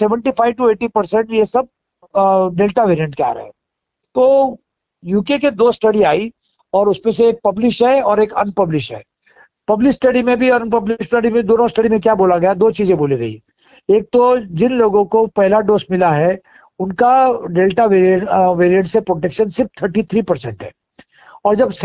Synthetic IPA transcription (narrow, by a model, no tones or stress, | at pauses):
sɛːʋə̃ɳʈifʰaːɪʋʈueːʈipɐɾsɛ̃ɳʈjesɐb̚ | ɖeːlʈaʋeːɾijə̃ɳʈ̚kea̰ːɾɐ̰ɦɛ̰̃ | t̪oː | juːkeked̪oːsʈɐɽiaːi | ɔːɾʊsmẽseːk̚pɐblɪʃɦɛɔːɾeːkɐnpɐblɪʃʈɦɛ̰ː | pɐblɪʃsʈɐɽimẽbʱiɔːɾnpɐblɪʃʈəɽimẽd̪oːnõsʈɐɽimẽk̬jaboːlaɡɐjad̪oːt͡ʃiːzẽboːliɡɐḭ | eːk̚t̪od͡ʒɪnloːɡõkopɛɦlaɖoːsmɪlaɦɛ | ʊnkaɖeːlʈaʋeːɾiəʋeːɾijə̃ɳʈsepɾoʈekʃənsɪɾft̪ʰəɾʈit̪ʰɾiːpɐɾsɛ̰̃ɳʈɦɛ̰ː | ɔːɾd͡ʒɐbs